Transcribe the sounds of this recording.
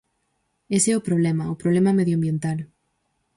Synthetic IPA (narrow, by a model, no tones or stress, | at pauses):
eseopɾoβ̞lemaopɾoβlemameðjoambjent̪al